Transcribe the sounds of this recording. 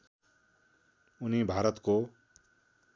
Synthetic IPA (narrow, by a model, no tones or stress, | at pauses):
unibʱaːɾʌt̪ko